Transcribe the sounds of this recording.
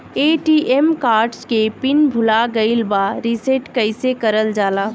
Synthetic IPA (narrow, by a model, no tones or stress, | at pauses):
eːʈiːʔemkaːɾʈskepɪnbʱʊlaɡəɪlbaɾiseʈkəɪsekɐɾəld͡ʒaːlaː